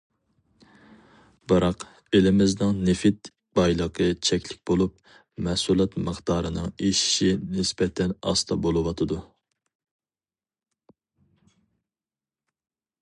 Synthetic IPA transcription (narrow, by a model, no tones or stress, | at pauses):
bɨɾɑq | elɪmɪznɨŋnɪfɪt̪ | bɑjlˠəqʰət͡ʃʰɛkʲlɪk̚ʲbolˠup | mɛsulˠɑt̪məχt̪ɑːɾɨnɨŋeʃi̥ʃinɪsbɛt̪ʰɛnɑ̰st̪ʰɑbolˠɨwɑt̪ʰɨd̪u